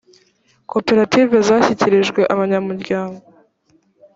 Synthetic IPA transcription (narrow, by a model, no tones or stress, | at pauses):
ko̞pe̞ɾativezaçiciɾeʒɡwe̞ʔaβaɲamuɾɟaːŋɡo